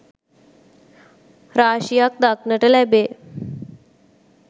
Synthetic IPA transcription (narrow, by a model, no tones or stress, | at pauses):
ɾaːʃijak̚d̪aknəʈəlɛbe